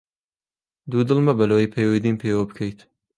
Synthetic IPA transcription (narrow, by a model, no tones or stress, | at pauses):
d̪ud̪ɨlmɐbɐloːjpʰejwed̪iːnpʰeːwɐbɨkʰɐjt̪